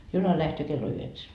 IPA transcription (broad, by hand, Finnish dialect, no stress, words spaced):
junɑ læhtøː kelːo yheksæ